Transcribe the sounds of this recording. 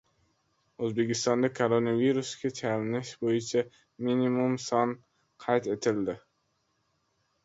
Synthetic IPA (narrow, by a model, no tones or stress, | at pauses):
ozbekʲɪst̪ɒnd̪akʰoɾonaviɾuskʲat͡ʃʰælnɪʃbojɪt͡ʃʰa | minimumsɒn | qʰɑjt̪et̪ʰɪld̪ɪ